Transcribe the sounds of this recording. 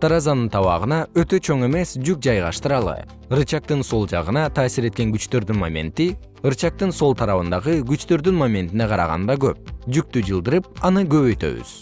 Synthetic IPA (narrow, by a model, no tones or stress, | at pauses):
t̪ɑɾɑzɑnɯnt̪ʰɑβɑ̰ʁɯnɑøt̪ø̞t͡ʃʰo̞ɴe̞me̞sd͡ʒyk̚d͡ʒɑjʁɑʃt̪ɯɾɑlˠɯ̰ | ɯɾɯt͡ʃɑq̚t̪ɯnso̞lˠd͡ʒɑʁɯnɑt̪ʰɑːsiɾe̞t̪̚ke̞ŋɡyt͡ʃt̪ø̞ɾd̪ynmamʲe̞̰nt̪i | ɯɾt͡ʃɑq̚t̪ɯnso̞lˠt̪ʰɑɾɑβɯnd̪ɑʁɯɡyt͡ʃt̪ø̞ɾd̪ynmamʲe̞nt̪ineqʰɑɾɑʁɑ̰nd̪ɑɡøp̚d͡ʒyk̚t̪yd͡ʒɯlˠd̪ɯɾɯp̚ɑnɯɡø̞βø̞jt̪ø̞̰βy̰z̥